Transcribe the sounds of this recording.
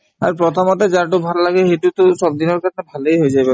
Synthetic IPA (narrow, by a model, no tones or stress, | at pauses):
a̰ɹpɹɔt̪ʰɔmɔt̪ɛzaɹʈ̬obʱalːaɡɛxetut̪osɔb̚d̪inɔɹkat̪ʰɛbʱalejɦojzajbe